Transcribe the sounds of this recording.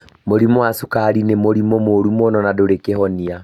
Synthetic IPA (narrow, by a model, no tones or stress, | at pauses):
moɾimoasukaɾinemoɾimomoɾumɔnɔnadoɾekehɔnia